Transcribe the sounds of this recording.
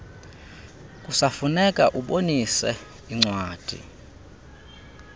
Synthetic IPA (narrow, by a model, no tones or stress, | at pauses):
kʼusafunɛkʼaʔuɓonisɛ | iŋ͡ǀwaːd̥ʱḭ